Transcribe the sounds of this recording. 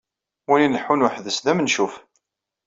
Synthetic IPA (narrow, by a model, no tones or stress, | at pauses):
wininəħːunwaħðəsðæmənʃuf